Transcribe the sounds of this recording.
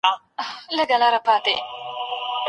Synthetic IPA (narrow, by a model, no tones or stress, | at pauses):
lɐɡɐlaɾɐpaːt̪ḛ